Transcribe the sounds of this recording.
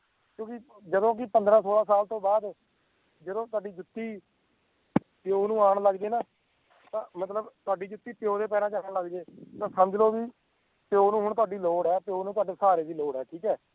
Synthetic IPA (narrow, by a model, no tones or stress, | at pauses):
kjõːkɪ | d͡ʒəd̪õːk̬ɪpənd̪ɾãːsoːɽaːsaːlt̪õːbaːd̪ | d͡ʒəd̪õːt̪ʊaːɖiːd͡ʒʊt̪ːiː | pjoːnũːaːɳləɡd͡ʒeːnaː | t̪ãːmət̪ləbt̪ʊaːɖiːd͡ʒʊt̪ːiːpɪjoːd̪eːpɛːnãːd͡ʒãːləɡd͡ʒeːt̪ãːsəməd͡ʒloːkiː | pjoːnũːɦʊɳt̪ʊwaːɖiːloːɽɛːpɪjoːnũːt̪ʊwaːɖeːsaːɾeːd̪iːloːɽɛːʈʰiːkɛː